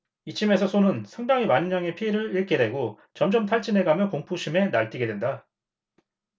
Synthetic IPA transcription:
it͡ɕʰime̞sʰʌsʰonɯnsʰaŋdaŋɦimanɲaŋe̞pʰieɾɯɭiɭk͈edwe̞ɡo | t͡ɕʌmd͡ʑʌmtʰaɭt͡ɕ͈ine̞ɡamjʌkoŋpʰuɕʰime̞naɭt͈iɡe̞dwe̞nda

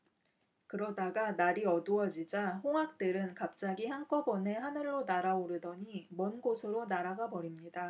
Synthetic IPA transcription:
kɯɾʌdaɡanaɾiʌduʌd͡ʑid͡ʑaɸoŋɦak̚t͈ɯɾɯnkap̚t͡ɕ͈aɡiçjaŋk͈ʌbʌne̞ɦanɯɭːonaɾaoɾɯdʌɲimʌnɡosʰɯɾonaɾaɡabʌɾimɲida

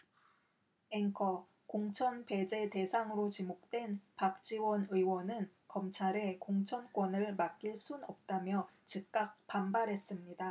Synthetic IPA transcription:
eŋkʰʌ | koŋt͡ɕʰʌnpe̞d͡ʑe̞te̞sʰaŋɯɾot͡ɕimok̚t͈we̞npak̚t͡ɕ͈iwʌnɯiwʌnɯnkʌmt͡ɕʰaɾe̞koŋt͡ɕʰʌnk͈wʌnɯɭmak̚k͈iɭs͈unʌp̚t͈amjʌt͡ɕik̚k͈ak̚p͈ambaɾɦe̞s͈ɯmɲida

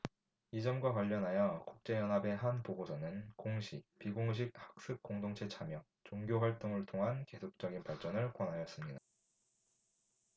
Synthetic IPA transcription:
id͡ʑʌmɡwakwaʎːʌnɦajʌkuk̚t͡ɕ͈e̞jʌnɦabe̞ɦanpoɡosʰʌnɯnkoŋɕʰipiɡoŋɕ̬ʰik̚hḁk̚s͈ɯk̚k͈oŋdoŋt͡ɕʰe̞t͡ɕʰamjʌŋ | t͡ɕoŋɡjoɸwaɭt͈oŋɯɭtʰoŋɦanke̞sʰok̚t͡ɕ͈ʌɡinpaɭt͡ɕ͈ʌnɯɭkwʌnɦajʌs͈ɯmɲida

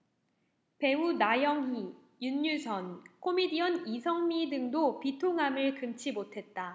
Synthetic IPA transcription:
pe̞unajʌŋɦi | juɲːusʰʌnkʰomidiʌnisʰʌŋmidɯŋdopitʰoŋɦamɯɭkɯmt͡ɕʰimotʰe̞t̚t͈a

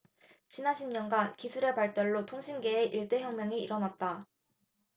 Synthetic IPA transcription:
t͡ɕinanɕʰimɲʌnɡankisʰuɾe̞paɭt͈ʌɭːotʰoŋɕʰinɡe̞ːʔiɭt͈e̞çjʌŋmjʌŋiiɾʌnat̚t͈a

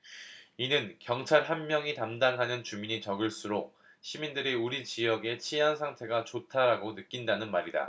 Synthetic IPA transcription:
inɯnkjʌŋt͡ɕʰaɭɦanmjʌŋitamdaŋɦanɯnt͡ɕumiɲit͡ɕʌɡɯɭs͈uɾok̚ | ɕʰimindɯɾeuɾit͡ɕijʌɡe̞t͡ɕʰiansʰaŋtʰe̞ɡat͡ɕotʰaɾaɡonɯk͈indanɯnmaɾida̰

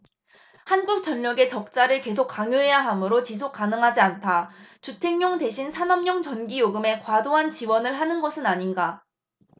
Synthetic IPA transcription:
hanɡuk̚t͡ɕ͈ʌɲːʌɡe̞t͡ɕʌk̚t͡ɕ͈aɾɯɭke̞sʰok͈aŋjoɦe̞jaɦamɯɾot͡ɕis̬ʰok͈̚anɯŋɦad͡ʑiantʰat͡ɕutʰeŋɲoŋde̞ɕʰinsʰanʌmɲʌŋt͡ɕʌnɡijoɡɯme̞kwadoɦant͡ɕiwʌnɯɭɦanɯnɡʌsʰɯnaɲinɡa

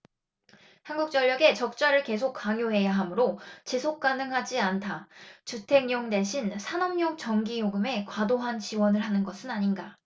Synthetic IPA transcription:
hanɡuk̚t͡ɕ͈ʌʎːʌɡe̞t͡ɕʌk̚t͡ɕ͈aɾɯɭke̞sʰokʰːaŋjoɦe̞jaɦamɯɾot͡ɕesʰok̚k͈anɯŋɦad͡ʑiantʰat͡ɕutʰe̞ŋɲoŋde̞ɕʰinsʰanʌmɲoŋt͡ɕʌŋɡijoɡɯme̞kwadoɦant͡ɕiwʌnɯɭɦanɯnɡʌsʰɯnaɲinɡa

